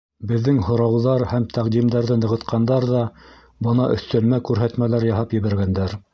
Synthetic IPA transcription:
bɘ̆ðːɘŋhŏɾɑwðɑɾhæmt̪æqd̪imd̪æɾðɘnɤ̆ʁɤ̆t̪qɑnd̪ɑɾðɑ | bɤ̆nɑʔɵ̆θt̪ɵ̆lmækʉɾɦæt̪mælæɾjɑɦɑpjɘ̆βæɾɡænd̪æɾ

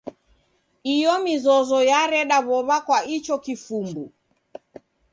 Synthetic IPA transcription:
ijɔmizɔzɔjaɾɛɗaβɔβakwait͡ʃɔkifumbu

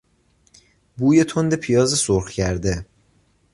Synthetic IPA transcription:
buːjet̪ʰond̪e̞pʰijɒːzesoɾxcʰæɾd̪e

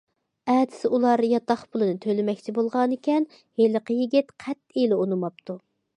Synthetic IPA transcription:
ɛːt̪ʰɪ̥sɪʔulˠɑɾjɑt̪ɑχpʊlˠɨnɨt̪ʰølɪmɛkʲt͡ʃʰibolˠʁɑnɪkʲɛn | heləqəjiɡʲit̪qʰæt̪elɪonɨmɑp̚t̪u

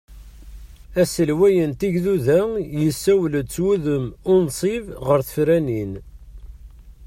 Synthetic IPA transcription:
æsəlwæjənt̪iʝðuðæjəsːæwlət͡sːwuðəmʊnsˤivʁəɾθə̥fɾænin

